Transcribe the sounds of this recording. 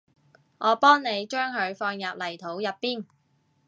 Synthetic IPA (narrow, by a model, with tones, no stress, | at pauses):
ŋʔɔː˨˧pɔː˥ŋne˨˧jt͡ʃœː˥ŋɦɵ˨˧ɥfɔː˧ŋjɐː˨p̚lɐ˨˩jt̪ʰo˨˥wjɐ˨pːiː˥n